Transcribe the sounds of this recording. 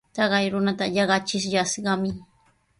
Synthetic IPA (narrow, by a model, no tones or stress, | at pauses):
t̪ɑɢɑjɾʊnat̪aʎɑɢɑt͡ʃɪʃʎasɢɑmɪ